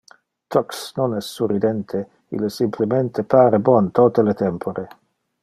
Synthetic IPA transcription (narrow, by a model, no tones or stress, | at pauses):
t̪ʰɔksnonɛsːurid̪ɛnt̪ʰe | ḭlːesimplement̪ʰepaːɾebɔnt̪ot̪elet̪ɛmpʰoɾe